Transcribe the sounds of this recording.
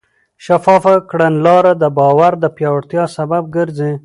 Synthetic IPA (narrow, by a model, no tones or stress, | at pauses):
ʃafɑfakɽanlɑɾad̪əbɑwaɾd̪əpjɑwaɽt̪jɑsabab̚ɡəɾzi